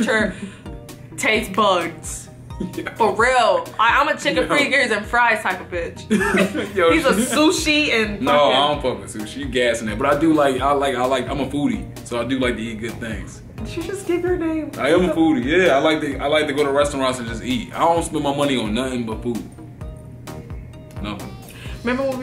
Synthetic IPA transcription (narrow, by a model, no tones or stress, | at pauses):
t͡ʃə˞ | tʰeɪsbʌɡz̥ | jb̥ʌt̚ɹɪlˠʔaɪãmɨ̃ntʰɪkɨθɹiɡɪɹzɨ̃nfɹaɪ̥tʰaɪpəbɪt͡ʃ | joizəsuʃiɨ̃nnʌoʊaɪõʊ̃nfʌksʉʃijɨɡæsɪ̃ŋ̩ðɨt̚b̥ʌɾaɪdɨlaɪkaɪlaɪkaɪlaɪkãɪ̃məfuɾḭ | soʊaɪdɨlaɪk̚tɨit̚ɡ̥ʊd̪̥̚θɪ̃ŋz̥ | knʃid͡ʒʌsɡ̥ɪvə˞nẽɪ̃maɪɨ̃məfuɾijæaɪlaɪk̚tɨaɪlaɪk̚tɨɡoʊɾəɹɛstə̃n̩ɹãnsɨ̃nd͡ʒʌstit̚a̰ɪõʊ̃nspɛ̃nmaɪmʌniə̃nːʌθɪ̃ŋbʌtfud | nʌθɪ̰̃ŋ | mɛ̃mbə˞wʌ̃